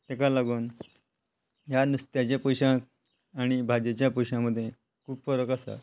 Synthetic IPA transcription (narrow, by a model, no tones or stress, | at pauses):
t̪ekalaɡuːn | ɦjanust̪jat͡ɕjapoɕãk̚ | aɽ̃ibʱad͡ʑjet͡ɕjapujɕãməd̪ʱːje | kʰuːbfəɾəkasa̰